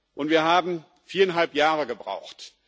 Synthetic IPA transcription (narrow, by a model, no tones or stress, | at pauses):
ʔʊntv̥iːɐɦaːbm̩ | fiːɐɛnɦalpjaːʁəɡəbʁa̰ʊxt